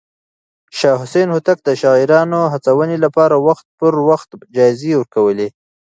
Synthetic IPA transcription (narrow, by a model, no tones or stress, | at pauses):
ʃɑɦʊsenhʊt̪ak̚d̪əʃɑɣiɾɑnoɦat͡sawənelapɑɾawaxt̪̚pəɾwaxt̪d͡ʒɑjzewəɾkawəle